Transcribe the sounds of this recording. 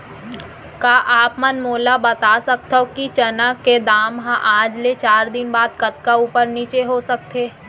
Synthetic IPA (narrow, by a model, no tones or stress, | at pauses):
kaːʔaːpmənmoːlabɐt̪asɐk̚t̪akit͡ʃɐnaked̪aːmɦãʔãːd͡ʒlet͡ʃaːɾd̪ɪnbaːd̪kɐt̪kauːpəɾniːt͡ʃeɦosɐk̚t̪ʰeː